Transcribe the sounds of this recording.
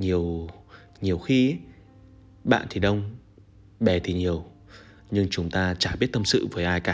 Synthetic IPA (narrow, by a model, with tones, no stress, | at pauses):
ɲi˨˩əw | ɲi˨˩əwxi˧˦ | ɓa̰ː˧˨nt̪ʰi˨˩ɗə˧wŋ͡m | ɓɛ˨˩t̪ʰi˨˩ɲi˨˩əw | ɲɨ˧ŋt͡ɕʊ˨˦ŋ͡mt̪aː˧t͡ɕaː˧˩ɓi˦˥ət̚t̪ə˧msɨ̰˧˨vəː˨˦jʔaː˧jkaː˨˦